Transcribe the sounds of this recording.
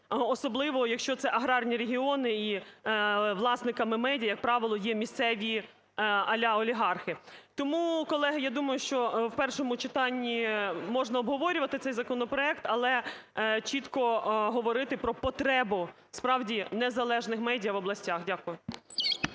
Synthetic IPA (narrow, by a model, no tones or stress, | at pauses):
ɔsɔblˠɪʋɔjɐkʃt͡ʃɔt̪sɛʔɐɦɾɑrnʲiɾeɦʲiɔnɪi | ʋlˠɑsnɪkɐmɪmɛdʲijɐjɐk̚pɾɑʋɪlˠɔjɛmʲist̪sɛʋʲi | ɐlʲaɔlʲiɦɑrxɪt̪ɔmukɔlˠɛɦɐjad̪umɐjʊʃt͡ʃɔwpɛrʃɔmʊt͡ʃɪt̪ɑnʲːimɔʒnɐɔbɦɔʋɔɾʲʊʋɐt̪ɪt̪sɛjzɐkɔnɔpɾɔɛkt̪ɐlˠɛ | t͡ʃit̪kɔɦɔʋɔɾɪt̪ɪpɾɔpɔt̪ɾɛbʊ | spɾɑwdʲinezɐlˠɛʒnɪxmɛdʲijɐʋɔblˠɐsʲtʲaxdʲakʊjʊ